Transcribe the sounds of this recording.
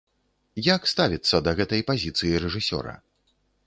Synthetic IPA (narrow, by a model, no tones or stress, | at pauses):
jakst̪avʲit̪sːɐd̪ɐɣɛt̪ɐjpazʲit̪sɨjiɾɛʐɨsʲɔ̰ɾɐ̰